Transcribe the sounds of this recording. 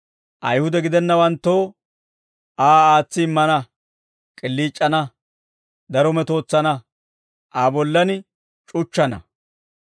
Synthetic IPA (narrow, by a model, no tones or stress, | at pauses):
ʔɐjhʊd̪ɛɡɪd̪ɛnːɐwɐnt̪ːoː | ʔaːaːt͡sːɪmːɐnɐ | kʼɪlːiːt͡ʃʼːɐnɐ | d̪ɐɾɔmɛt̪o̞ːt͡sːɐnɐ | ʔaːbɔlːɐnɪ | t͡ʃʼʊt͡ʃːɐnɐ̰